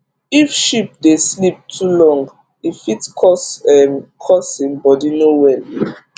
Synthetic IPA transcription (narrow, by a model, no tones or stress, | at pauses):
ifʃip̚deslip̚tʰulɔ̃ŋɡ | ifitkʰɔsɛkʰɔsĩmbɔdinowɛl